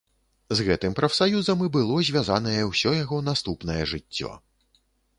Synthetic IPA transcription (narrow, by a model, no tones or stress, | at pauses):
zɣɛt̪ɨmpɾɐfsajuzɐmɨbɨlˠɔzʲvʲazanɐjɛwsʲɔjaɣɔnast̪upnɐjɛʐɨt͡sʲːɔ̰